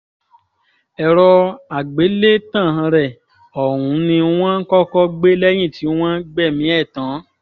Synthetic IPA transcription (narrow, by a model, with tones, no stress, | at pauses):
ɛ˨ɾɔ˧a˨ɡ͡be˨˦le˦tã˦˨ã˧ɾɛ˨ | ɔ˨wũ˨˦nĩ˧u˦w̃ã˦kɔ˦kɔ˦ɡ͡be˦lɛ˦j̃ĩ˦˨ti˨˦w̃ã˦ɡ͡bɛ˦˨mĩ˨˦ɛ˦˨tã˨˦